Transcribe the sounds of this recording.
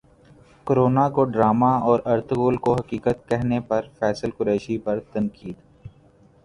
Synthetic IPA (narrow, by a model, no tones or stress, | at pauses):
koɾoːnakoɖɾaːmaɔːɾɐɾt̪ɣuːlkoɦɐkiːkət̪̚kɛɦnepɐɾfɛːsəlkʊɾeːʃipɐɾt̪ɐnkiːd̪